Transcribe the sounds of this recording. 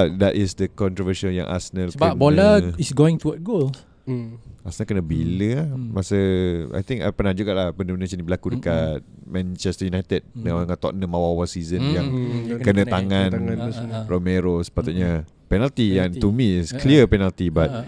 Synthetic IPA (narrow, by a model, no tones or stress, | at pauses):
dɛtɪsdəkɔnt̪ɾɔvəʃalja̰ŋʔa̰sənələkbənbolaisɡoɪ̃ŋt̪uwət̚ɡol | asənəlkənəbiləmasəa̰jt̪ĩŋka̰pənad͡ʒuʔkaʔlahbənəmənãsənibəlakudəkat̚mɛ̃nt͡ʃɛst̪əjunajt̪əd̚naŋat̪ɔ̰ʔnə̃mawawasizə̃njaŋkənə̃t̪aŋãn | romeɾosə̥pat̪uʔɲa | pɛnalt̪iant̪umiɪskliəpɛnalt̪ibat̚